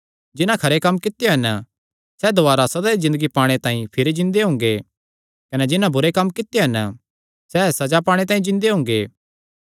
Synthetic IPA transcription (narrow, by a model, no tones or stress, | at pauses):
d͡ʒɪnãkʰɐɾekɐmːkɪt̪joɦɐn | sɛd̪oaːɾasɐd̪aɾizɪ̃nd̪əɡipaːɽ̃et̪ãːĩpʰɪɾid͡ʒɪ̃nd̪eɦʊ̃ːŋ̆ɡe | kɐnɛd͡ʒɪnãbʊɾekɐmːkɪt̪ːjeɦɐn | sɛːsɐd͡ʒapaːɽ̃et̪̬ãːĩd͡ʒɪ̃nd̪eɦʊ̃ːŋ̆ɡe